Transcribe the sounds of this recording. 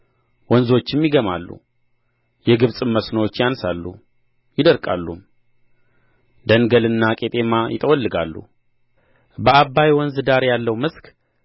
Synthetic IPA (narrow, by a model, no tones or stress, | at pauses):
wɔnzo̞t͡ʃːɪmjɪɡəma̰lːṵ | jɛɡɨβsʼɨmːəsnowot͡ʃːjansalːṵ | jɪd̪əɾkʼa̰lːum | d̪ənɡəlɨnːakʼet̪ʼe̞majɪ̰t̪ʼəwɔlːɨɡa̰lːṵ | bəabːajwɔnzɨd̪aɾjalːəwmɨsk